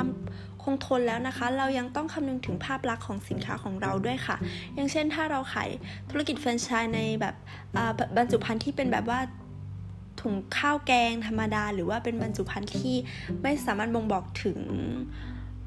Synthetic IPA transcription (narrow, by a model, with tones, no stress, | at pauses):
a˧m | kʰo˧ŋt̪ʰo˧nlɛː˦˥wna˦˥kʰa˦˥ɾa˧wja˧ŋt̪ɔ˥˩ŋkʰa˧mnɯ˧ŋt̪ʰɯ˩˦ŋpʰaː˥˩p̚la˦˥kʰːɔː˨˩˦ŋsi˨˩˦nkʰaː˦˥kʰɔː˩˦ŋɾa˧wdu˥˩əjkʰa̰˥˩jaː˨˩ŋt͡ɕʰe˥˩nt̪ʰaː˥˩ɾa˧wkʰa̰ː˩˦jt̪ʰu˧˦˥a˧ki˨˩t̪̚fe˧nt͡ɕʰaː˧jna˧jbɛː˨˩p̚ | ʔɤː˨˩˧ba˧nt͡ɕu˨˩pʰa˧nt̪ʰiː˥˩pe˧nbɛ̰ː˨˩p̚waː˥˩ | t̪ʰu˨˩˦ŋkʰaː˥˩wkɛː˧ŋt̪ʰa˧mːa˧daː˧ɾɯː˩˦waː˥˩pe˧nba˧nt͡ɕu˨˩pʰa˧nt̪ʰiː˥˩ | ma˥˩jsaː˩˦maː˥˩t̪̚bo˧ŋbɔː˨˩k̚t̪ʰɯ˨˩˦ŋ